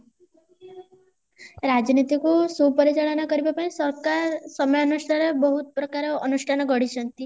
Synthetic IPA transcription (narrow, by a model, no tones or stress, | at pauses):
ɾad͡ʒnit̪ikusupɔɾit͡ʃaɭɔnakɔɾibapaĩsɔɾkasɔmjɔnuʃʈʰaɾebɔɦut̪̚pɾɔkaɾeːnuʃʈʰanɔɡɔɽit͡ʃɔnt̪i